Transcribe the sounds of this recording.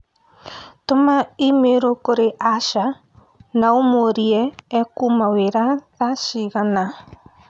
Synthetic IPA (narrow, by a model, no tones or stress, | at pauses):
tomaimeɾokoɾeʔaʃa | naomoɾiɛːkumaweɾaðaʃiɣana